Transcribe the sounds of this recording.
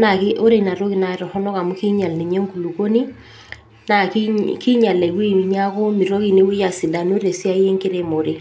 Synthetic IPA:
na˨ke˦ʔo˦ɾe˨na˨ɾo˦ki˨na˨ɾɔ˨hɔ˦nɔ˦ka˨mu˦ki˦ɲa˨lne˨ɲɛ˦ŋku˨lu˨ko˦ni˦ | na˨kiki˦ɲa˨lɛ˨i˨we˦m˨ɲa˦ko˦mi˨ɾo˦ki˨ne˦we˦ja˨si˨da˨no˦ɾe˨si˦a˦je˦ŋke˦ɾe˦mo˨ɾe˨

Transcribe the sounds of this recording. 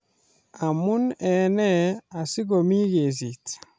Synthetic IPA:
a˨mu˦nɛ˨nɛ˦a˨si˦ɣo˨mi˦ɣe˨s̬i˨t

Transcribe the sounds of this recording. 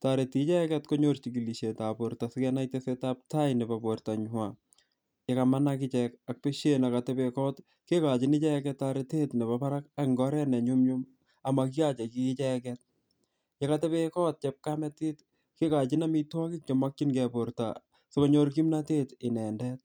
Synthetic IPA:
ta˨ɾe˨ti˦t͡ʃɛ˦kɛtko˦ɲoɾt͡ʃiki˨li˨ʃe˨ta˨po˨ɾta˨sɪ˦kɛna˦itesetap̚ta˦jnɛ˨ba˨borta˨ɲʊ˦wa | je˦kama˦nakɪ˦t͡ʃɛka˨k̚peʃenakatɛbekɔ˦t | ke˦ka˨t͡ʃɪnɪ˦t͡ʃɛ˦kɛtːaɾete˦tnɛ˨bapa˦ɾak̚akŋɡɔ˦ɾɛ˦nɛ˨ɲumɲum | a˨maki˦a˦t͡ʃe˨ki˦t͡ʃɛ˦kɛt̚ | ja˨katɛ˦pekɔ˦t̚t͡ʃɛ˦p̚kamɛ˦ti˦t | ke˦ka˨t͡ʃɪ˦na˦mi˦twa˦kɪ˦k̚t͡ʃɔ˨ma˦kt͡ʃi˦nɡɛ˨boɾta̰ | soko˦ɲo˦ɾki˦mna˦te˦tɪ˨nɛ˨ndɛ˦t̚

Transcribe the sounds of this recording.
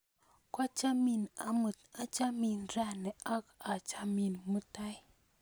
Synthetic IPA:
ka˦t͡ʃa˦mi˧˨na˨˦mɨ˨ta˦t͡ʃa˦mi˨nɾa˦ne˨ʔa˦ka˨t͡ʃa˧mi˨nmɨ˦ta˦j

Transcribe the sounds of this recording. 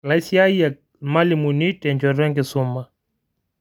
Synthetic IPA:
laisia˦i˦ja˨ | ma˦limu˨ni˦tɛ˨ɲd͡ʒɔɾɛ˦ŋɡɛ˨suma˨

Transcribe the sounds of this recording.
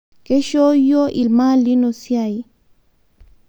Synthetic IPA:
ke˦ʃo˦jo˦ʔi˨lma˦li˦no˨sja˨i˨

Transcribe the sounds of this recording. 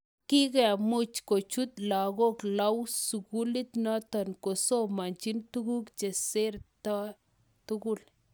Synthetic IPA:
ki˦kɛ˨mu˦t͡ʃko˨t͡ʃu˦t̪la˨ɣo˦kla˦wsu˨ku˦li˦t̪nɔ˦t̪ɔ˨nko˨so˦ma˨nt͡ʃi˦nt̪u˦ɡu˦kt͡ʃe˨se˦ɾta˦ | t̪u˦ɡu˦l

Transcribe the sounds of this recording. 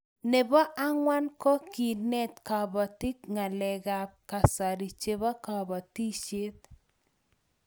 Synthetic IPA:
ne˨bɔ˦ʔa˦ŋwa˦nkɔ˦ki˨nɛ˦˨t̪ka˨bɔ˨ti˦kŋa˨lɛ˨ɡa˨p̚ka˨sa˨ɾi˨t͡ʃe˦bɔ˦ka˨bɔ˨ti˦t͡ʃe˦t̪̚

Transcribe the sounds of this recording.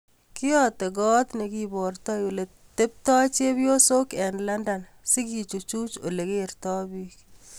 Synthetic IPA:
ki˦jɔte˨ɡɔ˦t̪ne˨kibɔ˨rtɔ˦jo˨le˨ | te˦p̚tɔ˦t͡ʃe˦bjo˦so˦kɛnlanda˨n | si˦ki˨t͡ʃu˨t͡ʃu˦t͡ʃo˨le˨keɾtɔ˦bik

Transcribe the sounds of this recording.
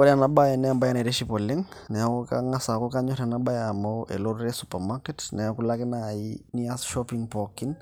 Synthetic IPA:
ɔ˦ɾa˨na˦ba˦je˨nɛ˦a˨mba˦ja˦ne˨ɾe˦ʃi˦pɔ˨le˦ŋnɛ˨a˦koka̰ŋa˦sa˨ko˦ka˦ɲɔ˦ɾɛ˨naɓa˦ja˨moʔḛ˨lo˦ɾɾe˦supamake˦tnɛ˨aku˦la˦kɪ˦na˨ini˦asʃɔpiŋpɔki˦n

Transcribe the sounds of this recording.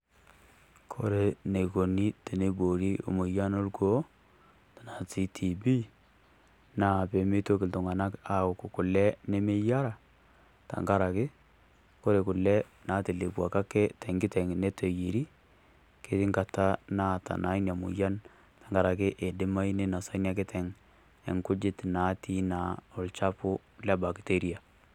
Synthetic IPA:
kʰo˦ɾe˨ne˨ko˨ni˦te˨ne˨bo˨ɾi˦o̰˨mu˨ja˦no˦lko˦ | ta˨na˨si˦tʰi˨bi˦ | na˨pe˨me˦to˦kɪ˨ltʊ˨ŋa˨na˦ka˨kʊ˨kʊ˨kʊ˨lɛ˦ne˦me˦ja˦ɾa˨ | ta̰˨ŋɡa˦ɾa˨kɪ˦ | ko˦ɾe˨kʊ˨lɛ˦ | na˨˦te˨le˨bwa˨ka˦kɛ˦tʰɛ˨ŋɡɪ˦tɛ˨ŋne˦tʰe˨ji˨ɾi˦ | ke˦tɪ˦ŋɡa˨ta˦na˦ta̰˨na˦inja˨mʊ̰˨ja˦n | tḁ˨ŋɡa˨ɾa˨kɪ˦ʔe˨dɪ˦ma˦i˦ne˦na˨sa˦nja˦k̬ɪ˦tʰɛ˨ŋ | ḛ˨ŋkʊ˦d͡ʒɪ˦tna˨˦tʰi˦na˨ʊ˨lt͡ʃa˦pʊ˦ | lɛ˦ba˨kte˦ɾia˨

